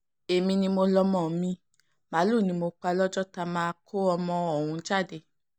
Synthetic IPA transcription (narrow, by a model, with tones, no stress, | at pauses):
e˨mĩ˧nĩ˧mo˧lɔ˧mɔ̃˨mĩ˧ | ma˨˦lu˦˨nĩ˧mo˧k͡pa˧lɔ˦d͡ʒɔ˦ta˧mãː˦˧kʰo˦ɔ˧mɔ̃˧ɔ˨wũ˧˦d͡ʒa˦˨de˧˨